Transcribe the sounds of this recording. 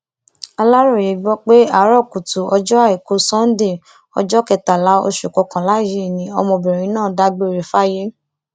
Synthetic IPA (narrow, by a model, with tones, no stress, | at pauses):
a˧la˦ɾɔ˦˨je˨˦ɡ͡bɔ˦k͡pe˦a˨˦ɾɔ˦˨ku˨tu˨ɔ˧d͡ʒɔ˦a˦˨i˨ko˧˦sɔ̃˦n̩˦de˦˨ | ɔ̰˧d͡ʒɔ˦kɛ˧˨ta˨la˨˦o̰˧ʃu˨kɔ˨˧˦kã˨la˦˨ji˦˨nĩ˨˦ɔ˧mɔ̃˧bɛ˨ɾ̃ĩ˨˦nãː˦˨da˧ɡ͡be˦˨ɾe˨˦fa˦je˦